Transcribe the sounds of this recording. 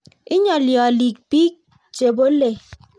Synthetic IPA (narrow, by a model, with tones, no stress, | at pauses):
i˦ɲɔ˨ljɔ˨li˨k̚pi˦k̚ | t͡ʃe˨bo˦le˨